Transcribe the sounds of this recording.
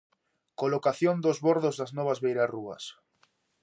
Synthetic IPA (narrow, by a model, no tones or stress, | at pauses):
kolokaθjond̪ozβoɾðozðaznɔβ̞azβejɾaruɐ̰s